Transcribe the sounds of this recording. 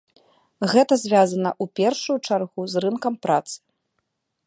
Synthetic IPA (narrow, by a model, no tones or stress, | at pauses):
ɣɛt̪ɐzʲvʲazɐnɐ̰ʔupʲɛrʂujut͡ʂarɣuzrɨnkɐmpɾat̪sɨ̥